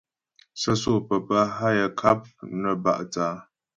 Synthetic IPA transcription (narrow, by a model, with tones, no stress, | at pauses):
sə˦so˦˨pə˨pə˦ɦa˦jə˨kʰa˦p̚nə˨ba̰˦˨ʔt͡saː˨˦